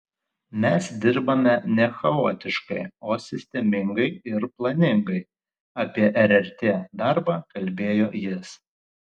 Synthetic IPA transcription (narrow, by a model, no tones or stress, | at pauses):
mʲɛsd̪ʲɪɾbɐmʲɛnʲɛxɐoːt̪ʲɪʃkɐɪoːsʲɪsʲt̪ʲɛmʲɪŋɡɐɪɪɾplˠɐnʲɪŋɡɐɪ | ɐpʲiɛʔɛɾʲɛɾʲt̪ʲeːd̪ɐɾbɑːkɐlʲbʲeːjoːjɪs